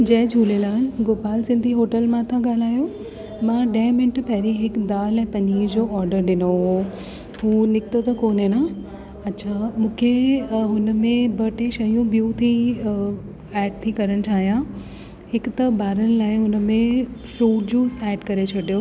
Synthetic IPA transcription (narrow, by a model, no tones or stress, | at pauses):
d͡ʑɐ̃ɦd͡ʑʱuːlelaːɦɪnɡoːpaːlsɪ̃nd̪ʱiɦoːʈəlmãt̪ʰãɡaːl̤aːjo | mãɗɐɦmɪnəʈpɐɦɪɾiɦɪkd̪aːlɛ̃ːpɐ̃ɲiːd͡ʑoːɔːɾɖəɾɗɪnoɦo | ɦuːnɪkt̪ot̪ɐkoːnena | ɐtːɕʰaːmũːkʰeɦʊnə̆mẽbɐʈẽʃɐɦjũbijut̪ʰi | ɛːɖ̚t̪ʰikɐɾəñɪ̆tʰaːɦijã | hɪkt̪ɐbaːɾənɪ̆laːɪʊnə̆mẽfɾuːʈ̚d͡ʑũːsɛːɖkɐɾet͡ɕʰɐɽijo